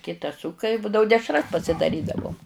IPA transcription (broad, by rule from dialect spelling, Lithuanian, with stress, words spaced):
ˈkʲɪtɐs ˈsʊkɐ ɪ ˈbuːdɐʋʊ ˈdʲæːʃrɐs pɐsʲɪdɐˈrʲiːdɐʋoːm